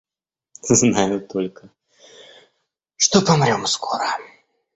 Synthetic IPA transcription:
znajʊt̪olʲkə | ʂt̪opɐmɾʲomskʰoɾə

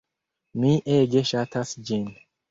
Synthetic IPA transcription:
miʔeɡeʃatʰasd͡ʒin

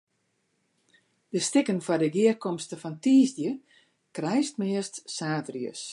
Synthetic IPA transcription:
d̥əstɪkənfɔdəɡiərkɔmstəfɔntiːzdjə | krɛjstmɪəstsaːtriə̰s

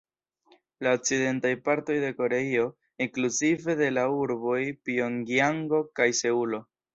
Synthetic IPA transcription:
laok̚t͡side̞ntajpaɾto̞jde̞ko̞ɾe̞io̞ | iŋkluzive̞de̞lauɾbo̞jpio̞ŋɡiaŋɡo̞kajse̞ulo̞

